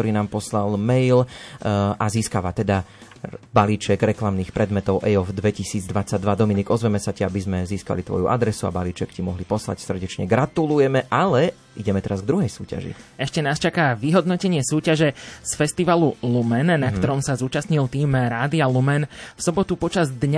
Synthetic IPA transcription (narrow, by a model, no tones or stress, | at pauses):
tɔɾiːnaːmpɔslalmɛjl | ʔaziːskaʋat̪ɛd̪a | baliːt͡ʃɛɡɾɛklamniːxpɾʔɛd̪mɛt̪ɔʊʔɛɔfd̪ʋɛcisiːd͡zd̪ʋat͡saɟ̚d̪ʋad̪ɔminiɡɔzʋɛmɛsaciabizmɛziːska̰lit̪ʋɔ̰juʔa̰d̪ɾɛsua̰baliːt͡ʃɛkcimɔɦlipɔsla̰csr̩ɟɛt͡ʃɲɛ̰ɡɾat̪ulujɛmɛʔalɛ | iɟɛmɛt̪ɛɾazɡd̪ɾuɦɛjsṵːca̰ʒḭɛʃcɛnaːst͡ʃakaʋiɦɔd̪nɔcɛɲɪɛsuːcaʒɛsfɛst̪iʋalulumɛnnakkt̪ɔɾɔmsazuːt͡ʃasɲilt̪iːmɾaːd̪ialumɛnfsɔbɔt̪upɔt͡ʃazd̪ɲa